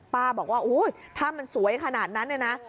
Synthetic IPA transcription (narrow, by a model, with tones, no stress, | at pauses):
paː˧bɔː˨˩k̚waː˥˩ʔuː˨˦˥jt̪ʰaː˥˩ma˧nsu˨˩˦əjkʰa˧naː˨˩t̪̚na˦˥nːa˥˩na˦˥